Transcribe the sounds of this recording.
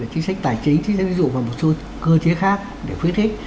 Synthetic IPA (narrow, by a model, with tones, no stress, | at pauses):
əː˨˩t͡ɕi˨˦ŋsa˦˥k̚t̪aː˨˩jt͡ɕï˨˦ŋ̟t͡ɕzṵ˧˨vaː˨˩mo˨˩t̚so˨˦ | kɨ˧ət͡ɕi˨˦əxaː˦˥k̚ | ɗe˧˩fwi˦˥ət̚tï˦˥k̚